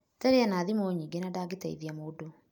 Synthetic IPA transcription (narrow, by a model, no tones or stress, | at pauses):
taɾeanaːðimoɲiɡenadaɡitaḭðiamodo